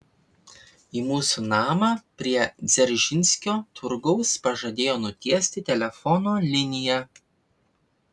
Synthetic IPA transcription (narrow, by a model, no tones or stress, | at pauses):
iːmuːsunɑːmɑːpʲɾʲiɛzʲɛɾʲʒʲɪnʲsʲkʲoːt̪ʰʊɾɡɔʊspɐʒɐd̪ʲeːjoːnʊt̪ʲiɛsʲt̪ʲɪt̪ʲɛlʲɛfɔnoːlʲɪnʲɪjɛ